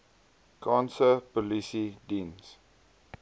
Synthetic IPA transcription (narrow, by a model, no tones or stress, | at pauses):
kʰɑ̃nsəpɔlisidĩns